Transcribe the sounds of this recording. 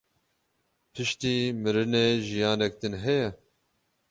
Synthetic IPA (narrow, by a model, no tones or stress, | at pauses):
pʰɨʃt̪iːmɨɾɨneːʒijɑːnɛk̚d̪ɨnɦɛjɛ